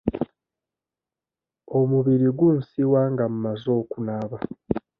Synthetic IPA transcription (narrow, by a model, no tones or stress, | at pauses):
o̞muβiɾiɡunsiwaːŋɡamumazo̞ːkunaβa